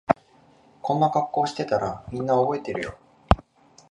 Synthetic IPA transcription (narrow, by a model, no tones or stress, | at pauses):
kõ̞nːakakːo̞ːɕi̥t̪e̞t̪aɾamʲĩnːaobo̞e̞t̪e̞ɾɯ̟jo̞̰